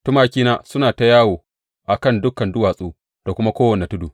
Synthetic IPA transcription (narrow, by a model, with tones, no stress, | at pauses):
tʊ˦maː˦kʲiː˦naː˦sʊ˦naː˨ta˨jaː˦woː˨ | ʔa˨kɐ˦˨ndʊ˦kːɐ˨ndʊ˦waː˨sʼuː˦ | d̥a˨kʷʊ˦ma˦kʷoː˦wɐ˨ne˨tʊ˦duː˨